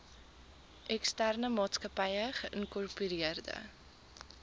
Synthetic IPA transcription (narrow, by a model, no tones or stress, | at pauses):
ʔɛkstærnəmɑːtskəpɛjəχəʔənkɔrpyɾiərdə̰